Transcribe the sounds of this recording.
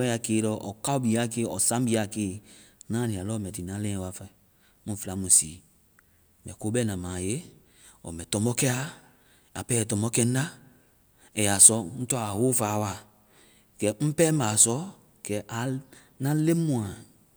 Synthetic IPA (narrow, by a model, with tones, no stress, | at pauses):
ɛ̃˦ja˨keː˦ɾɔ˨ʔɔ˨ka˦u˦bi˨a˨˦˨ke˦ɔ˨sã˦bi˨˦a˨keː˦˨˦nãː˦nĩ˨a˨lɔ˦mɛ˨ti˨nã˨˦lɛ̃˦wa˨fa˨i˨ | mũ˦˨fla˨˦mũ˨siː˨ | mɛ̰˨ko˦bɛ˦˨nã˨mã˨je˦ | ɔ̰˨mɛ˨tɔ˨mɔ˦kɛ˦a˦ | a˨pɛ˦˨tɔ˨mɔ˦kɛ˦n˦na˦ | ɛ˨ja˨sɔ˦n̩˦tɔ˦˨a˨ho˦faː˨˦wa˨ | kɛ˨m̩˦pɛ˦ma˨sɔ˦ | kɛ˨ʔa˨ | nã˦le˦mũ˨a˨